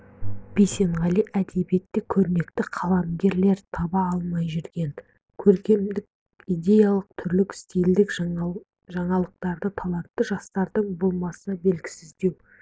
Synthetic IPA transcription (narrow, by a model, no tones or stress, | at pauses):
b̥ejse̞ɴʁɑlijʔæd̪e̞bje̞t̪ːɪkʲʰɵɾne̞kt̪ɪqʰɑlˠɑmɡʲe̞ɾle̞ɾt̪ʰɑbɑːlˠmɑjʒʏɾɡʲe̞n | kʲʰɵɾkʲe̞md̪ɪk̚ | ijd̪ʲe̞jalˠəq̚t̪ʰʏɾlɪkɪ̥st̪ijld̪ɪk | ʒɑɴɑlˠəq̚t̪ɑɾd̪ət̪ʰɑlˠɑt̪ːəʒɑst̪ɑɾd̪əɴbo̞lˠmɑsəbe̞lɡʲɪ̥sɪzd̪e̞w